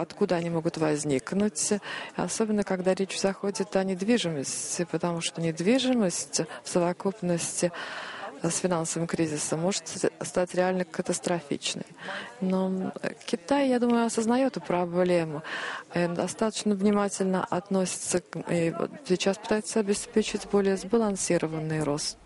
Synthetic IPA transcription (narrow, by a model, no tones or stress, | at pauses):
ɐt̪kud̪əɐnʲimo̞ɡʊt̪vɐzʲnʲiknʊtʲɐ̰so̞bʲɪnːəkɐɡd̪aɾʲet͡ɕzɐxo̞dʲɪt̪ɐnʲɪd̪vʲiʐɨməsʲtʲɪpət̪ɐmuʂt̪onʲɪd̪vʲiʐɨməsʲtʲfsəvɐkupnəsʲtʲɪ | sfʲɪnansəvəmkɾʲizʲɪsəmːo̞ʐɨt̪st̪atʲɾʲɪalʲnəkət̪əst̪ɾɐfʲḭt͡ɕnə̰jno̞kʲɪt̪ajjad̪uməjʊɐsəznɐjo̞t̪ʊpɾɐblʲemʊnd̪ɐst̪at̪ə̥t͡ɕnəvnʲɪmatʲɪlʲnə̰ʔɐt̪no̞sʲɪ̥t̪səḭsʲɪt͡ɕaspɨt̪ajɪt̪səɐbʲɪspʲet͡ɕɪtʲbo̞lʲɪjəzbəlˠɐnsʲiɾəvənːɨjɾo̞st̪